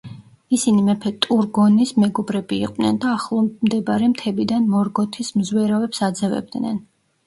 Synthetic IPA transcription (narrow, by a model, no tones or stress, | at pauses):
isinimɛpʰɛt̪ʼuɾɡɔnismɛɡɔbɾɛbḭːqʼnɛ̰nd̪aːχlˠɔmd̪ɛbaɾɛmt̪ʰɛbid̪anmɔɾɡɔt̪ʰismzwɛɾavɛpsad̪zɛvɛ̰b̚d̪nɛ̰n